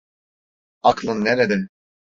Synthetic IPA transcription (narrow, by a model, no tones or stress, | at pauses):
aklˠɯnːeɾed̪ɛ